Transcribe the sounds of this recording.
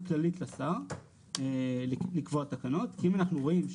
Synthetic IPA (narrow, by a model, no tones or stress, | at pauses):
klalit̪lasaʁ | elikvoat̪ːakano̞tkiimanaχnuʁo̞imʃ